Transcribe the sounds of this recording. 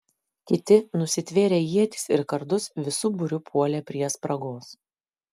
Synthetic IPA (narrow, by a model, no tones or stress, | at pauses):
kʲɪt̪ʲɪnʊsʲɪt̪ʲʋʲeːɾʲeːjiɛt̪ʲɪ̥sɪɾkɐɾd̪ʊsʋʲɪsʊbʊɾʲʊpʰuɔlʲɛːpʲɾʲiɛspɾɐɡoːs